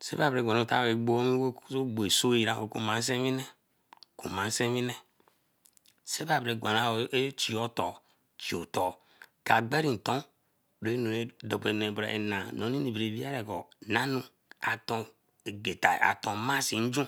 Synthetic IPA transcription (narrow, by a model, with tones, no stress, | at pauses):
sḛ˦ba˨bɾe˨a˨n˨˦ta̰˦˨e˨ɡ͡bo˦mi˦wo˦o˦ɡ͡bo˨e˨so˦i˨ɾa˦˨o˨ku˦mã˨˦n̩˦s̬ẽ˦mi˦nɛ˦˨ | kṵ˨mã˨˦se˦mi˦nɛ˦ | se˦ba˨bɾe˨ɡʷa˨na˦e˦t͡ʃi˨ɔ˦tɔ˨ | t͡ʃi˨o˨tɔ˨ | ka˨ɡ͡be˦ɾi˨n̩˨tɔ̃˦˨ | ɾe˨˦no˨e˨do˨be˨nu˨e˨bɾa̰˨ʔḛ˨nã˨nõ˨˦nĩ˦ni˨bi˨ɾe˨bi˦a˦ɾe˨kɔ̰˨nã˦nu˨ | a˨tɔ̃˨ | e˨ɡe˨ta̰˨a̰˨tõ˨ma˦si˨n̩˦d͡ʒũ˦